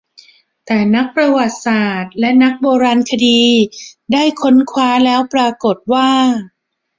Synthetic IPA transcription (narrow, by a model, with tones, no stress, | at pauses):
t̪ɛː˨˩na˦˥k̚pɾa˧wa˨˩t̪̚saː˨˩t̪̚lɛ˦˥na˦˥k̚boː˧ɾaː˧nkʰa˧diː˧daː˥˩jkʰo˦˥nkʰwaː˦˥lɛː˦˥wpɾaː˧ko˨˩t̪̚waː˥˩